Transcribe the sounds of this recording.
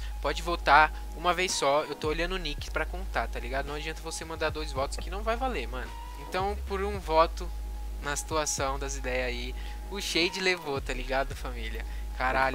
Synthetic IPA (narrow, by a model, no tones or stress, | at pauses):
pɔd͡ʒɪvowt̪aɾ | ũmɐvejsɔewt̪ooʎɐ̃nd̪ʊnikɪ̥pɾɐkõnt̪aɾt̪aliɡad̪ʊnɐ̃w̃ad͡ʒiɐ̃nt̪ɐvosemɐ̃nd̪aɾd̪ojzvɔt̪ʊ̥skɪnɐ̃w̃vajvaleɾmɐ̃nʊ | ẽt̪ɐ̃w̃pʊɾũvɔt̪ʊ | nɐsi̥t̪uasɐ̃w̃d̪ɐzid̪ɛjɐi | ʊʃejd͡ʒɪlevot̪aliɡad̪ʊɐfamiliɐ | kaɾaʎʊ